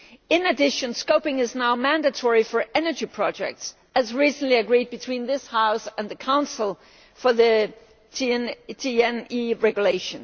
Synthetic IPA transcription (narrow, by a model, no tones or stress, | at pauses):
ɪ̃nɨdɪʃɨ̃nskoʊpɪ̃ŋɨznaʊmæ̃ndɨtʰɔɹifə˞ʔɛnə˞d͡ʒipʰɹ̥ɑd͡ʒɛ̰k̚ts | ɨzɹisn̩liɨɡɹid̚bɨtʰw̥ĩnðɪshaʊsɨ̃nðɨkʰãʊ̃nsl̩ˠ | fə˞ðɨ | tʰiɛ̃niɹɛɡjuleɪʃɨ̃n